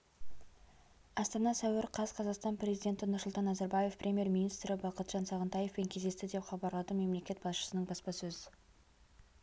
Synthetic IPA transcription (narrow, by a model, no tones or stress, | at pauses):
ɑst̪ɑnɑsæwɪɾqʰɑzqʰɑzɑqst̪ɑnprʲe̞zijd̪ʲe̞nt̪ɪnʊrsʊlˠt̪ɑnːɑzɑɾbɑje̞fprʲʔe̞mʲje̞ɾmʲinijst̪ɾɪbɑqət̪ʒ̥ɑnsɑʁənt̪ɑje̞fpeŋkʲʰezd̪e̞st̪ɪd̪e̞pχɑbɑɾlˠɑd̪əme̞mle̞kʲe̞t̪b̥ɑsʃə̥sənəɴbɑspɑsɵz